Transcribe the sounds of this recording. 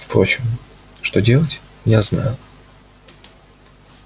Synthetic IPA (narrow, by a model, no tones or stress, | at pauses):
fpɾo̞t͡ɕɪm | ʂt̪o̞dʲe̞lˠətʲ | jazna̰jʊ